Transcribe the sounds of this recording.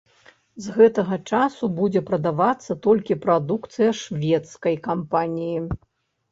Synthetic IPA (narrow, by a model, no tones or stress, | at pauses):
zɣɛt̪ɐɣɐt͡ʂasubud͡zʲɛpɾɐd̪avat̪sːɐt̪ɔlʲkʲipɾad̪ukt̪sɨjɐʂvʲɛt̪skɐjkampanʲiji